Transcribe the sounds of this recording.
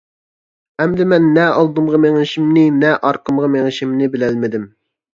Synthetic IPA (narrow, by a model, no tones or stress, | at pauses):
ɛmd̪ɪmɛnːɛɑlˠd̪ɨmʁɑmeŋɪʃimnɪnɛʔɑɾqʰəmʁɑmeŋɪʃimnɪbɪlælmɪd̪ɪm